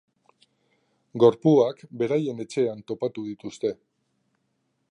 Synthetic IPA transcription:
ɡo̞ɾpuakbe̞ɾaje̞ne̞t͡ʃe̞ant̪o̞pat̪uð̞it̪ust̪e̞

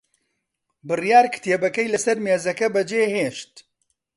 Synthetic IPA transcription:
bɨrjaːɾkʰɨ̥t̪eːbɐkɐjlɐsɐɾmeːzɐkɐbɐd͡ʒeːheːʃt̪

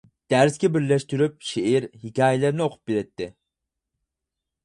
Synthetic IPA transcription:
d̪̥æɾskʲɛbɪɾlɛʃt̪yɾyp̚ʃeiɾhikʲɑːjɛlɪɾnɪoqʰʊ̥p̚biɾɛt̪ʰːɪ

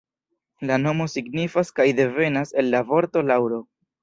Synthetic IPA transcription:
lano̞mo̞siɡnifaskajde̞ve̞nase̞lːavo̞ɾto̞lawɾo̞

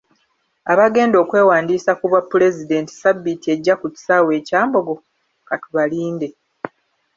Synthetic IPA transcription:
aβaɡe̞ːndo̞ːkwe̞ːwaːndiːsakuβwapːule̞zide̞nti̥sabːitie̞ɟːakuci̥sawe̞ːcaːmbo̞ɡo̞ | katuβaliːnde̞

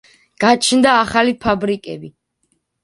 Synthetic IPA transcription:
ɡ̥at͡ʃʰnd̪aːχalipʰabɾikʼɛbi

